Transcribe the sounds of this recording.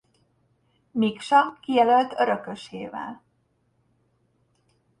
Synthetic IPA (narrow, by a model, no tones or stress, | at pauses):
mikʃɒkijɛlølt̪øɾøkøʃeːvɛ̰l